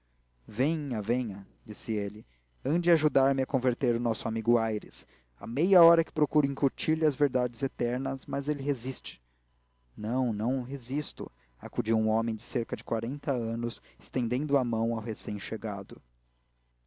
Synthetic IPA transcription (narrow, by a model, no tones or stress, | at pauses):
vẽj̃ɐvẽj̃ɐ | d͡ʒisɪelɪ | ɐ̃nd͡ʒɪaʒud̪aɾmɪɐkõveɾt̪eɾʊnɔsʊamiɡʊajɾɪ̰s | a̰mejɐɔɾɐkɪ̥pɾokuɾʊĩŋkuɾt͡ʃiɾlɪɐzveɾd̪ad͡ʒɪzet̪ɛɾnɐsmɐzelɪɦezist͡ʃɪ̥ | nɐ̃w̃nɐ̃w̃ɦezist̪ʊ̰ | a̰kud͡ʒiwũɔmẽj̃d͡ʒɪseɾkɐd͡ʒɪkwaɾẽnt̪ɐɐ̃nʊsɪ̥st̪ẽnd̪ẽnd̪ʊamɐ̃w̃awɦesẽj̃ʃeɡad̪ʊ